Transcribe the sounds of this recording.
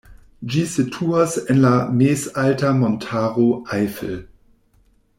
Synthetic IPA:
d͡ʒiːsətʰuːɐsɛnlameːsaltɐmɔntʰaːʁoʔaɪfl

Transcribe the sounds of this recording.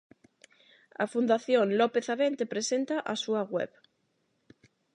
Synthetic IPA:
a̰fund̪aθjoŋnlopeθaβent̪epɾesẽnt̪aʔasuaɣwḛβ

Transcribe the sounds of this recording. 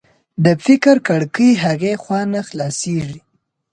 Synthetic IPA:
d̪əfɪkɾkaɽkəjɦaɣexwɑnaxlɑseʐi

